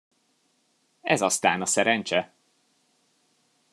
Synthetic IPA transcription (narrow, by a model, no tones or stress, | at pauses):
ɛzɒst̪aːnɒsɛɾɛnt͡ʃɛ